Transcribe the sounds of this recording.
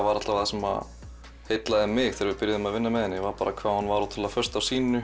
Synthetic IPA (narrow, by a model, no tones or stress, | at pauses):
vaɾat̪lavθɛsɛma̰ | hejt̪laðɪmɪɣθɛɾvɪðpɪɾjaðɪmaðvɪnːamɛðɛnːɪvaɾpaːɾakʰv̥aːhanvaɾat̪ʰɪlafœr̥st̪awsiːnʏ